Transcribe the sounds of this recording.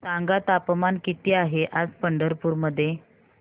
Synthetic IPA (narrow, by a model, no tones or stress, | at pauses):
saŋɡat̪apmankit̪iːaɦeʔad͡zpəɳɖəɾpuːɾməd̪ʱːje